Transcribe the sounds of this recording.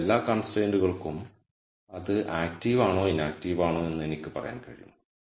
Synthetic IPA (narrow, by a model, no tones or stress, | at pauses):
lːaːkɐɳsreːnduɣɐɭkum | ɐðɨʔaːk̚tiʋaːɳoːinːaːk̚tiːʋaːɳoːe̞nːɨe̞nikʲːɨpɐrɐ̰ja̰ːnkɐɻḭjunːɐ